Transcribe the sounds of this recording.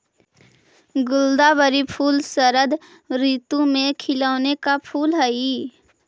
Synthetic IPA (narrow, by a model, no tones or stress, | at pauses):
ɡʊld̪abəɾipʰuːlsəɾəd̪ | ɾiːt̪ũmẽkʰɪləːnekapʰuːlɦəi